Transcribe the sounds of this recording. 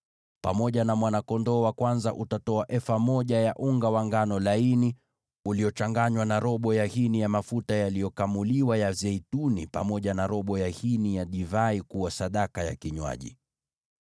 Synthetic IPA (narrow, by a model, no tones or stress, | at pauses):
pa̰mɔʄanamwanakɔndɔːwakwanzaʔutatɔaʔɛfamɔʄajaʔuŋɡawaŋɡanɔlaini | uliɔt͡ʃaŋɡaɲwanaɾɔɓɔjahinijamafutajalijɔkamuliwajazɛitunḭpa̰mɔʄanaɾɔɓɔjahinijaɗivaikuwasaɗakaja̰kiɲwa̰ʄḭ